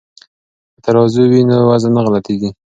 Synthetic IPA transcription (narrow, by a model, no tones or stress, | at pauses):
ət̪aɾɑzuwinawazanaɣlat̪eɡi